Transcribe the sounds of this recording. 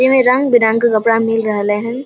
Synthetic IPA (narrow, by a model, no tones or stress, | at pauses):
emẽɾɐ̃ŋɡbɪnaŋkakɐpɽamɪlɾɐɦleɦɛ̃n